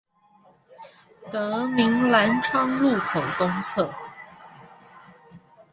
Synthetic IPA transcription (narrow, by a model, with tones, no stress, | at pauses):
t̪ɤ˧˥mi˧˥ŋla˧˥nʈ͡ʂʰɑ˥ŋlu˥˩kʰo˨˩ʊt̪ʊ˥ŋt͡sʰɤ˥˩